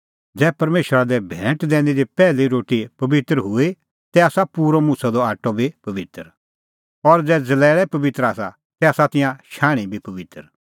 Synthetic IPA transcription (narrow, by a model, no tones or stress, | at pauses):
d͡zɛːpɐɾmeːʃəɾad̪ɛbʱɛ̃ːʈd̪ɛ̃ːɽ̃id̪ipɛːliɾoːʈipɐbɪt̪ɾɦʊi | t̪ɛaːsapuːɾomuːsad̪ɔaːʈːɔbʱipɐʋɪt̪ɾ | ɔɾd͡zɛːd͡zɐlɛːɭɛpɐʋɪt̪ɾaːsa̰ | t̪ɛaːsat̪ɪjãʃaːɽ̃ibʱipɐʋɪt̪əɾ